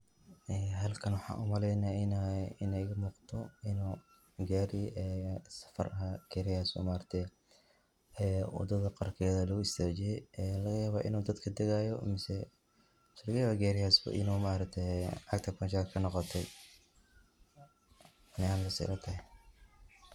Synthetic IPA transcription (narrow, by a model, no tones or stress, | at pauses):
ʔɛːɦɐlkʰɐnwɑħɑ̰ːʔṵmɐlɛjnɐɪnɐɪnɛjɣɐmuːqt̪ʰɔɪnuː | ɡaːɾɪjʔɛːsɐ̥fɐ̰rɐɡ̥ɛɾɪjaːsɔ̰maːɾɐt̪ʰɛ | ɛwɑ̰d̪ɐðɐqɑrkʰɛːðɐlɐɣʊɪst̪ʰaːt͡ʃɪjɛjɛlɐɣɐjaːβaːʔɪ̰nuːd̪ɐd̪kʰɐd̪ɛɣajɔmɪsɛ | slɐɣɐjaːβaːɡaːɾɪjaːsbɐ̰ʔɪ̰nuːmaːɾɐkt̪ʰɛʕɑɡ̚t̪ʰɐpɐnt͡ʃaːkʰɐnɔqɔt̪ʰɛj | nɛaːnlɐsɛ̰lɐt̪ʰɐɦɛ